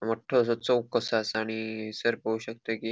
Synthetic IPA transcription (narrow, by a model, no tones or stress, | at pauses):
məʈʰːəsət͡səwkəsasaɽ̃isəɾpəuɕək̚t̪əki